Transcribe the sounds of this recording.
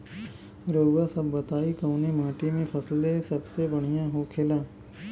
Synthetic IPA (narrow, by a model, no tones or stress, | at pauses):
ɾəwasɐbːɐt̪aːikɐʊnemaːʈimẽpʰɐsld̪esɐbsebɐɽ̤̃ijãɦokʰeːlaː